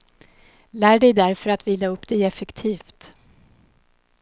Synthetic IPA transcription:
læːɖɛjd̪æɾfœɾat̪viːlːaɵpːd̪ɛjɛfɛkt̪ʰiːft̪

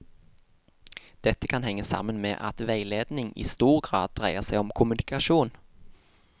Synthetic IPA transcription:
d̪̥ɛt̪ːəkʰɑnhɛŋːəsɑ̰mːənmḛːʔɑ̰t̪ʋæɪleːd̪nɪŋḭːst̪uːʁɡʁɑ̰ːd̪̚d̪ʁæɪəsæɪɔmkʰʊmʉnɪkɑʃuːn

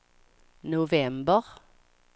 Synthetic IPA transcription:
nʊvɛmbəʁ

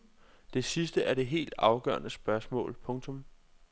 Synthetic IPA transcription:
d̥e̝sisd̥əʔæɐɾ̥e̝ɦe̝̰ːld̥ɑ̈ʊɡ̥ɶ̰ɐnəsb̥ɶɐsmɔ̰̽ːlpʰɔ̽ŋt͡sʰɔ̽m

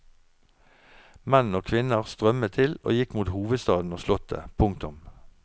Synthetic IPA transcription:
mɛnoːkʰʋɪnəʁst̪ʁœmət̪ʰɪlo̰ːjɪkmuːt̪huːʋəd̪st̪ɑːd̪n̩oːslʊt̪ə̰pʰʊŋk̚t̪ʊm

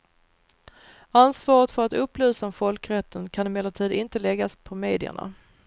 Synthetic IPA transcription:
ansvɑːɾət̪fœɾat̪ɵpːlʉ̟ːsaɔmfɔlkɾɛt̪ʰːənkʰanɛmɛːlːət̪ʰiːd̪ʔɪnt̪əlɛɡaspʰɔmeːd̪ɪə̰ɳa̰

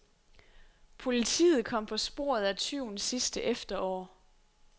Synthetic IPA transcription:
pʰo̝lit͡sʰḭːð̞̩ˠkʰɒ̽m̰pʰɒ̽sb̥o̝̰ɐ̰ð̞ˠæt͡sʰyʊ̰nsisd̥əʔefd̥ɐɒ̰ː

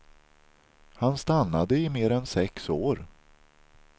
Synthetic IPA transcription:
hanst̪anːad̪əɪmeːɾɛnsɛksoːɾ

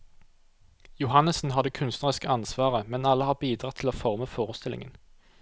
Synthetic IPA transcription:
jʊhɑnəsn̩ɦɑd̪əkʰʉnst̪nəʁəskəɑnsʋɑːʁəmɛnɑlːəhɑːʁbiːd̪ʁɑt̪ʰɪloːfɔʁməfoːʁəst̪ɪlɪ̰ŋə̰n

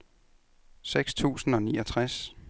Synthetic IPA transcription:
seɡ̥st͡sʰṵːsn̩ɒ̽niːɒt͡sʰʁas

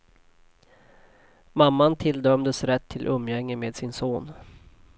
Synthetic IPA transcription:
mamːant̪ʰɪld̪œmd̪əsɾɛt̪ʰːɪlʔɵmːjɛŋːəmeːd̪sɪnsoːn

